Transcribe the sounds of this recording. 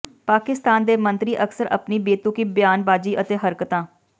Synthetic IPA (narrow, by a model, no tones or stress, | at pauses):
paːkɪst̪aːnd̪eːmə̃nt̪ɾiʔɐksəɾɐ̰pnibeːt̪ũkibjaːnbaːd͡ʒiʔət̪eɦɐɾkət̪ãː